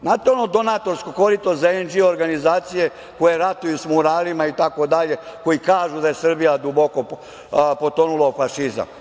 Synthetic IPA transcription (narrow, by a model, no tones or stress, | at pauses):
nat̪onod̪o̞nat̪o̞ɾskokoɾit̪ozaend͡ʒioɾɡanizaːt̪sije̞ | ko̞je̞ɾat̪ujusmuɾaːlimait̪ako̞d̪aʎe̞ko̞jikaːʒud̪aje̞sr̩bijad̪ubo̞ko | po̞t̪onulaofaʃiza̰m